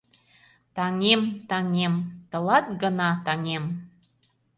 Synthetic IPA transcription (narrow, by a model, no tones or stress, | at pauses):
t̪ɑŋemt̪ɑŋemt̪ə̆lɑt̪̚ɡənɑt̪ɑŋem